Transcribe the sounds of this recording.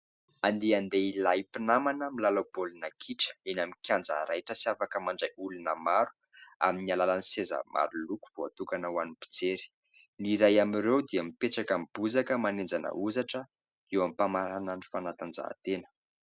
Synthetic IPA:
and̪eand̪eilaipinamanəmilalabolunakʰiʈ͡ʂə̥enamikʰʲand͡za̰ɾajʈ͡ʂəsiafakəmaɳɖ͡ʐaulunəmaɾu̥ | a̰minialalaniseza̰mʔa̰ɾuluku̥v̥oat̪ukanəwanib̥u̥t͡seɾi̥ | niɾajamiɾewd̪iəmipeʈ͡ʂakamib̥uzakəmanend͡zanə̰uzaʈ͡ʂə | ewampamaɾanənifanat̪and͡za̰ːt̪enə̥

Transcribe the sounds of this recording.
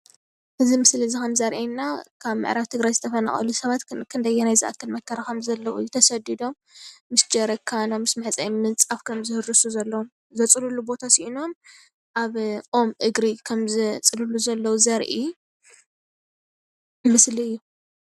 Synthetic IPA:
ʔɨzimɨslizikɐmzɐɾʔenːakʰaβmɨ̰ʕɾaβt̪ʰɨɡɾajzɨt̪ʰɐfɐna̰χʼɐ̰lusɐβat̪kʰɨnd̪ɐjːɛnajzɨʔa̰kʰːɐlmɐkʰːɐɾakɐmzɐlːɐwṵjɛt̪ʰɐsɐd̪id̪o̞mː | ɨsd͡ʒɐɾɐkʰanomːɨsmɐħt͡sʼɐjimɨnt͡sʼafkʰɐmzɨhɨɾɨsuzɐlːɐwm | zɐt͡sʼɨlulubo̞t̪ʰasiʔino̞m | ʔaβʔo̞mʔɨɡɾikʰɐmzɨt͡sʼɨluluzɐlːɐwuzɐɾʔi | mɨsliɨjːu

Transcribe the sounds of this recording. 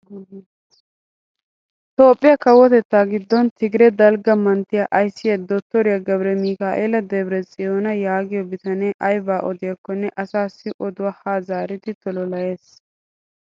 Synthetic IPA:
t̪oːpʼːɪjɐkɐwːɔt̪ɛt̪ːaːɡɪd̪ːɔnt̪ʰɪɡɪɾɛd̪ɐlɡɐmɐnt̪ːɪjɐʔɐjsːɪjɐd̪ɔt̪ːɔɾɪjɐɡɐbɾɛmiːkaːʔeːlɐd̪ɛbɪɾɛt͡sʼɪjoːnɐjaːɡɪjɔbɪt̪ɐneːʔɐjbaːʔɔd̪ɪjɐkːɔnːɛʔɐsaːsːɪʔɔd̪ʊwɐhaːzaːɾɪt̪ɪt̪ɔlɔlɐje̞ːs

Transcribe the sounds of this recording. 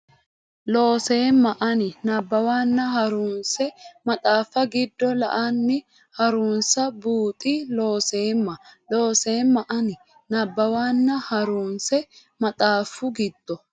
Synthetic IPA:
lo̞ːse̞ːmːɐʔɐnɪnɐbːɐwaːnːɐɦɐɾuːnsɛmɐt̪ʼaːfːɐɡɪd̪ːɔlɐ̰ʔɐnːɪ | hɐɾuːnsɐbuːt̪ʼɪlo̞ːse̞ːmːɐlo̞ːse̞ːmːɐʔɐnɪ | nɐbːɐwaːnːɐhɐɾuːnsɛ | mɐt̪ʼaːfʊɡɪd̪̥ːɔ

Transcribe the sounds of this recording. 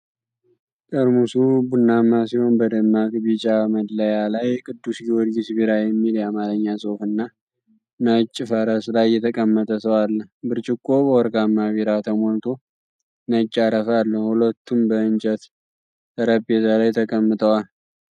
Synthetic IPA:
k̪ʼəɾmusubunːamːasiho̞nbəd̪əmːakbit͡ʃʼaməd̪ləjalajkʼɨd̪ːusɡiwod̪ɡɪsbiɾajɛmːiljamaɾəɲːasʼofɨnːa | nət͡ʃʼːɪfəɾəslajːɛt̪ʰəkʼəmːət̪ʼəsəwalːəbɨɾt͡ʃʼɪkʼːo̞bəwɔɾɡamːaβiɾat̪ʰəmo̞lt̪ʰo̞ | nət͡ʃʼːaɾəfalːəhulət̪ʰːumbəɨnt͡ʃʼət̪ | əɾəbet̪alajt̪ʰəkʼəmːɨt̪ʼəwal

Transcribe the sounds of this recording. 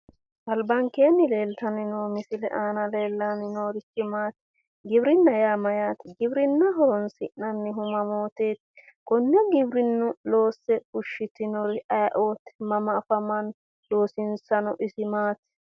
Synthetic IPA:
ʔɐlbɐŋkeːnːɪle̞ːlt̪ɐnɪnoːmɪsɪlɛʔaːnɐle̞ːlːanɪnoːɾɪt͡ʃːɪmaːt̪ | ɡɪbɾɪnːɐjaːmɐjaːt̪ɡɪbɾɪnːɐɦɔɾɔnsɪnɐnːɪɦʊmɐmoːt̪e̞ːt̪ | kɔnːɛɡɪbɾɪnːʊlo̞ːsːɛhʊʃːɪt̪ɪnɔɾɪɐjɐʔoːt̪mɐmɐːfɐmɐn | d̪o̞ːsɪnsɐnɔʔɪsɪmaːt̪

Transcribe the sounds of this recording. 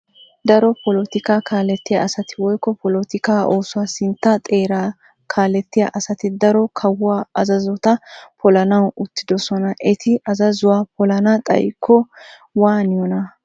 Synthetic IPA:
d̪ɐɾɔpɔlɔt̪ɪkaːkaːlɛt̪ːɪjɐ̰ɐsɐt̪ɪwɔjkːɔpɔlɔt̪ɪkaːʔoːsʊwaːsɪnt̪ːɐt̪ʼe̞ːɾaː | kʰaːlɛt̪ːɪjɐ̰ʔɐsɐt̪ɪd̪ɐɾɔkʰɐwaːɐzɐzɔt̪ɐpʰɔlɐnɐwʊt̪ːɪd̪ɔsɔnɐʔɛt̪ʰɪʔɐzɐzʊwaːpɔlɐnɐt̪ʼɐ̰jkʰːɔ | waːnɪjɔnɐ

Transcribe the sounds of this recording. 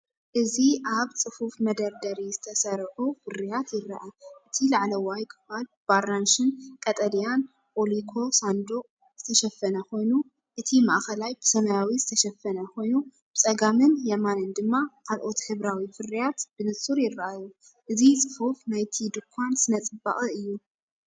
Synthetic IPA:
ʔɨziʔaβt͡sʼɨfufmɐd̪ɐɾd̪ɐɾizɨt̪ʰɐsɐɾħufɨrijat̪jɪɾːɐʔaʔɨt̪ʰilaʕlɐwajkʰɨ̥falb̥aɾanʃɨnkʼɐt̪ʼɐd̪ijan | ʔʼolikʰo̞sand̪o | z̥ɨt̪ʰɐʃɛfːɐnɐko̞jnu | ʔɨt̪ʰima̰ʔxɐlajb̥ɨsɐmɐjawizɨt̪ʰɐʃɐfːɐnɐkʰo̞jnu | b̥ɨt͡sʼɐɡamɨnjɐmanɨnd̪ɨmːakʰalʔo̞t̪ħɨβɾawifɨrːijat̪b̥ɨnɨsʼuɾjɪɾːɐʔaju | ʔɨzit͡sʼɨfufnajt̪ʰid̪ɨkʰːansɨnɐt͡sʼɨbːa̰ʔʼɨɨjːu

